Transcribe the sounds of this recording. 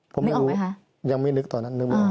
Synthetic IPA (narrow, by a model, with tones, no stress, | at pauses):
pʰo˨˦m˧˨ɾuː˦˧ | ja˧ŋma˦˥˩nɯ˦˥k̚t̪ɔː˨˩na˦˥nːɯ˦˥k̚ma˧